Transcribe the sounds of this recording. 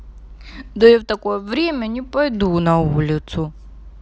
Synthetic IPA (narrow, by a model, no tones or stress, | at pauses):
d̪ɔiwt̪ɐkojɛvɾʲemʲɐnʲipɐjd̪unɐulʲɪt̪sʊ